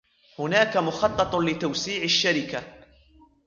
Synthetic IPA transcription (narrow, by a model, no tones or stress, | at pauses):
hʊnaːkamʊxɑt̪ˤːɑt̪ˤlɪt̪awsiːʕaʃːaɾɪka